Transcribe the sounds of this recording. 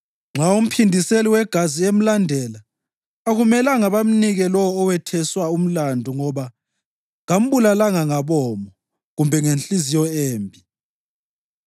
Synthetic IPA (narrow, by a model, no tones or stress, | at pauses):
ŋ͡ǁaum̩pʰindʱiseliwɛɡ̥ʱaziem̩landʱɛlaː | ɣumɛlaŋaβam̩niɣɛlɔwɔːwɛtʰɛswaum̩landʱuŋɔβa | ŋam̩βulalaŋaŋaβɔːmɔ | ɣumbʱɛŋenɬʼizijɔeːmbʱi